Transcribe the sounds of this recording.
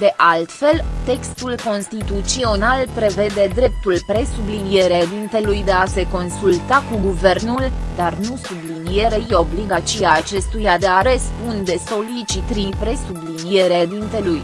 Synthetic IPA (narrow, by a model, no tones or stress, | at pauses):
d̪e̞ʔalt̪fe̞lt̪e̞kst̪ulko̞nst̪it̪ut̪sio̞nalpɾe̞ve̞d̪e̞d̪ɾe̞p̚t̪ulpɾe̞sublinije̞ɾed̪int̪e̞lujd̪e̞ase̞ko̞nsult̪akuɡuve̞rnuld̪arnusublinije̞ɾejo̞bliɡat͡ʃiaːt͡ʃe̞st̪ujad̪eaɾe̞sund̪e̞so̞lit͡ʃit̪ɾipɾe̞sublinije̞ɾed̪int̪e̞luj